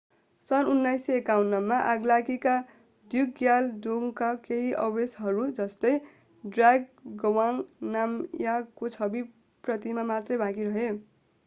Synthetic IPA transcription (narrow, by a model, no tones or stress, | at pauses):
sʌnunːajseekawunːʌmːaʔaɡlakika | d̪juɡjaldoŋkakeɦiʔʌwesɦʌɾud͡zʌst̪ʌj | ɖraɡ̚ɡʌwaŋnamjakot͡sʰʌbi | prʌt̪imamat̪rʌjbãkiɾʌɦe